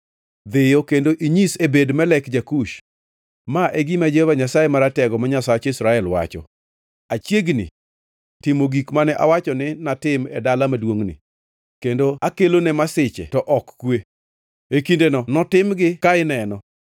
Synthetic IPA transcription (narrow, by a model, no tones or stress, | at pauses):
d̪ejokendoʔiɲisebedmɛlɛkd͡ʒakuʃ | maʔeɡimad͡ʒɛɔvaɲasajemaɾatɛɡɔmaɲasat͡ʃisɾaɛlwa̰t͡ʃɔ̰ | at͡ʃjeɡnɪ̰ | tɪmoɡikmanɛʔa̰wat͡ʃɔnɪnatɪmɛ̰dalamadwoŋnɪ̰ | kendoakelonɛmasɪt͡ʃɛ̰tɔʔɔkːwe | ekindenɔnɔtɪmɡɪkaɪnɛnɔ